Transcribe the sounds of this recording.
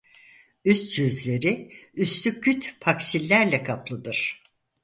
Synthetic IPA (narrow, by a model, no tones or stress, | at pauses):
yst̪t͡ʃyzlʲe̞ɾiyst̪yc̚ɟyt̪pʰaksilʲːæɾlʲɛkʰaplˠɯd̪ɯɾ̥